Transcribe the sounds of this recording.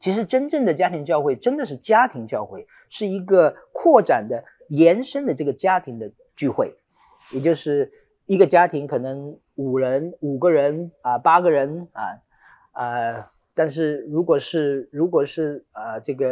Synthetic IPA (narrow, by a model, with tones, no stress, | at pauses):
t͡ɕʰi˧˥ʂɻ̩˧˥ʈ͡ʂə˥nʈ͡ʂə˥˩ŋd̪ə˩t͡ɕja˥t̪ʰi˧˥ŋt͡ɕjɑ˧ʊxwe˥˩ɪʈ͡ʂə˥nd̪ə˨ʂɻ̩˥˩t͡ɕja˥t̪ʰi˧˥ŋt͡ɕjɑ˥˧ʊxwe˥˩ɪ | ʂɻ̩˥˩i˧˥ɡə˧ | kʰwɔ˥˩ʈ͡ʂa˨˩nd̪ə˦ | jɛ˧˥nʂə˥nd̪ə˨ʈ͡ʂɤ˥˩ɡə˩t͡ɕja˥t̪ʰi˧˥ŋd̪ə˧ | t͡ɕy˥˧xwe˥˩ɪ | jɛ˨˩t͡ɕjo˥˧ʊʂɻ̩˥˩ | i˧˥ɡə˨t͡ɕja˥t̪ʰi˧˥ŋkʰɤ˨˩nɤ˧˥ŋ | u˨˩ɻə˧˥nu˨˩ɡə˦ɻə˧˥nə˧pa˥ɡə˨ɻə˧˥nɐ˩ | ə˧ | t̪a˥˧nʂ̬ɻ̩˥˩ɻu˧˥kwɔ˨˩ʂɻ̩˥˩ɻu˧˥kwɔ˨˩ʂɻ̩˥˩ə˧ʈ͡ʂɤ˥˩ɡə˩